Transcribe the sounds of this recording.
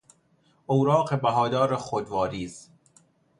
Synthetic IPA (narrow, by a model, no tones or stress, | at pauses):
ʔowɾɒːqebæɦɒːd̪ɒːɾexod̪vɒːɾiːz̥